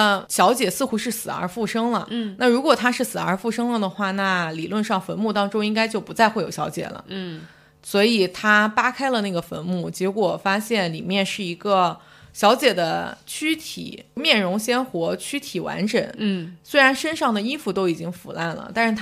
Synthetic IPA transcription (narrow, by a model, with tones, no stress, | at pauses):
ɕjɑ˧˥ʊt͡ɕjɛ˨˩sɹ̩˥˩xu˧˥ʂɻ̩˥˩sɹ̩˨˩ə̰˞˧˥fu˥˩ʂɤ˥ŋlə˨na˥˩ɻu˧˥kwɔ˨˩t̪ʰa˥ʂɻ̩˥˩sɹ̩˨˩ə˞˧˥fu˥˧ʂɤ˥ŋlə˨d̪ə˩xwa˥˩na˥˩li˨˩lwə˥˧nʂɑ˥˩ŋfə˧˥nmu˥˩t̪ɑ˥ŋʈ͡ʂʊ˥ŋi˥ŋka˥ɪt͡ɕjo˥˩ʊpu˧˥t͡sa˥˧ɪxe˥˩ɪjo˨˩ʊɕjɑ˧˥t͡ɕjɛ̰˨˩lə̰˦ | swɔ˧˥i˨˩t̪ʰa˥pa˥kʰa˥ɪlə˨˧na˥˩ɡə˩fə˧˥nmu˥˩t͡ɕjɛ˧˥kwɔ˨˩fa˥ɕjɛ˥˩nli˨˩mjɛ˥˧nʂɻ̩˥˩i˧˥ɡə˧ | ɕjɑ˧˥ʊt͡ɕjɛ˨˩d̪ə˦t͡ɕʰy˥t̪ʰḭ˨˩˦mjɛ˥˩nɻʊ˧˥ŋɕjɛ˥nxwɔ˧˥t͡ɕʰy˥t̪ʰi˨˩wa̰˧˥nʈ͡ʂə̰˨˩˦ŋswe˥ɪa˧˥nʂə˥nʂɑ˥˩ŋd̪ə˩i˥fu˥˧t̪o˥ʊi˨˩t͡ɕi˥ŋfṵ˨˩la˥˩nlə̰˩t̪a˥˧ʂɻ̩ʰ˥˩˥